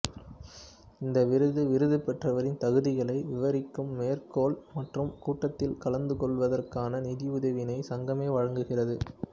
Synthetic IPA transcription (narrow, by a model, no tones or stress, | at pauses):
ɪnd̪ɐʋɪɾɯðɯʋɪɾɯðɯpɛʈrɐʋɐɾɪnt̪ɐɣɯðɪɣɐɭɐɪʋɪʋɐɾɪkːɯmːeːɐrkoːlmɐʈrɯmkuːʈːɐt̪ːɪlkɐlɐnd̪ɯkɔɭʋɐðɐrkaːnɐnɪðɪʊðɐʋɪnɐɪsɐŋɡɐmeːʋɐɻɐŋɡɯɣɪrɐðɯ